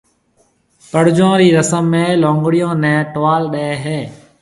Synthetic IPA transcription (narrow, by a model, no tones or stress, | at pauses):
pəɽ̤d͡ʒõːɾiːɾəsəmːẽːlõːŋɡɽɪjõːnɛ̃ːʈʋaːlɗeeːɦeː